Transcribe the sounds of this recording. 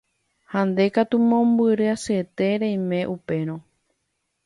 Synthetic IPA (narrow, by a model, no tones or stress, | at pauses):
hãnd̪e̞kat̪umõ̞mbɨɾɨaset̪e̞ɾẽjmẽ̞ʔupe̞ɾ̃õ